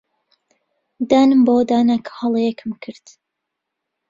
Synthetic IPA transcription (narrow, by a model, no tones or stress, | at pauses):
d̪aːnɨmbowd̪aːnakʰhɑlˠjɛkʰɨmkʰɨɾd̪